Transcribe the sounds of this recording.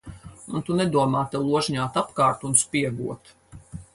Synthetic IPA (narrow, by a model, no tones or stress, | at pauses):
unt̪unɛd̪uɔmaːt̪ɛlˠuɔʒɲaːt̪apkaːɾt̪unspiɛɡṵɔt̪